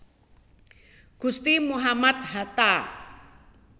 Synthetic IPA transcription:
ɡ̥ust̪imuɦamat̪̚hat̪a

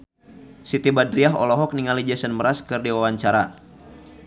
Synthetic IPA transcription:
sit̪ibadɾiaɦɔ̰lɔɦɔk̚niŋalid͡ʒasənməɾaskɨrdiwawaɲt͡ʃaɾa

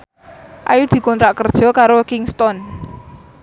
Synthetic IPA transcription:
ʔajud̪̥i̤kɔnt̪ɾaʔkərd̥ʒ̥ɔ̤kaɾokɪŋst̪ɔn

